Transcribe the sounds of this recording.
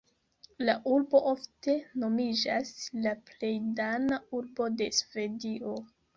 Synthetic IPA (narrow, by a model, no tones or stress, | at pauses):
laʔuɾbo̞ʔofte̞no̞mid͡ʒaslaple̞jdanauɾbo̞de̞sve̞diʔo̞